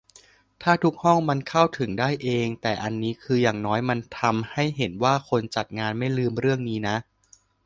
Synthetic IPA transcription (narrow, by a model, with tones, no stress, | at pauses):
t̪ʰaː˥˩t̪ʰu˦˥k̚hɔ˥˩ŋma˧nkʰa˥˩wt̪ʰɯ˨˩˦ŋdaː˥˩jʔeː˧ŋt̪ɛː˨˩ʔa˧nːiː˦˥kʰɯː˧jaː˨˩ŋnɔː˦˥jma˧nt̪ʰa˧mha˥˩jɦe˩˦nwaː˥˩kʰo˧nt͡ɕa˨˩t̪̚ŋaː˧nma˥˩jlɯː˧mɾɯ˥˩əŋniː˦˥na˦˥ʔ